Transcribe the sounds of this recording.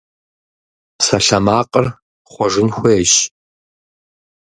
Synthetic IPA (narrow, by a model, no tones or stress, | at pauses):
sɐɬɐmaːqʼər | χʷɔʐɪnxʷɔjeɕʼ